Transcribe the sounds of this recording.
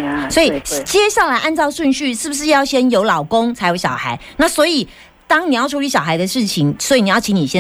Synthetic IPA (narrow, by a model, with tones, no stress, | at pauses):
swɔ˧˦˥i˨˩t͡ɕjɛ˦ɕja˥˩la˧˥ɪʔa˥˧nt͡sɑ˥˧ʊʂwə˥˧nɕy˥˧ʂɻ̩˥˩bu˩ʂ̬ɻ̩˥˧jɑ˥˩ʊɕjɛ˥njo˧˥ʊlɑ˨˩ʊko˦ŋt͡sʰa˧˥ɪjo˧˥ʊɕjɑ̰˨˩ʊxa˧˦ɪna˥˩swɔ˧˥i˨˩ | t̪ɑ˥ŋni˨˩jʊʈ͡ʂʰu˧˥ly˧˥ɕjɑ˨ʊxa˧˥ɪd̪ə˨˧ʂɻ̩˥˩t͡ɕʰi˧˥ŋswɔ˧˥i˨˩ni˨˩jɑ˥˩ʊt͡ɕʰi˧˥ni˨˩ɕjɛ˥˦